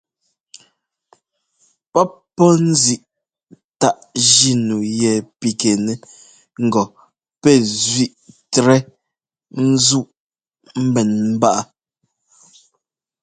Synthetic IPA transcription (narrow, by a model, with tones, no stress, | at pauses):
pɔ˦ | pːɔ˦n̩˦zi˨ʔ | ta˦˨ʔʒi˦nu˨jɛ˨pi˨ke˨nɛ˨ | ŋ̩˦˨ɡɔ˨ | pɛ˦˨zɥi˦˨ʔtɾɛ˦ | n̩˦zu˦˨ʔ | m̩˦bɛ˨nm̩˦ba˦ʔa˨